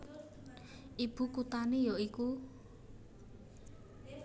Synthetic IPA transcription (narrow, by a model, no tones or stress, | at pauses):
ʔib̥ukut̪anejɔiku